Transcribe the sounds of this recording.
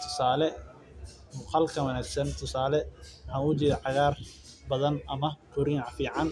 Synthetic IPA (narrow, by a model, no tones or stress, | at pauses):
t̪ʰʊ̥saːlɛ | mʊqɑlkʰɐwɐnæːɡsɐnt̪ʰʊsaːlɛwħɑʊt͡ʃɪːɾɐʕɑɣaːr | bɐðɐnʔɐmɐkʰʊɾɪʕfiːʕɑn